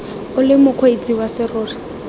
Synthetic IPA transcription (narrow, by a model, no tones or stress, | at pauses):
ʊlɪmʊkʰwet͡sʼiwasɪrʊːrɪ